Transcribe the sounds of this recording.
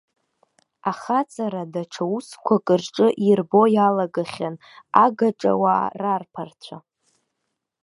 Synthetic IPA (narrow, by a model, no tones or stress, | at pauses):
aχat͡sʰʼaɾadaʈ͡ʂʰauskʷʰakʼɨrʈ͡ʂʼɨʔirbo̞jalaɡaχʲan | aɡaʈ͡ʂʼa̰wa̰ːrarpʰart͡sʷʰa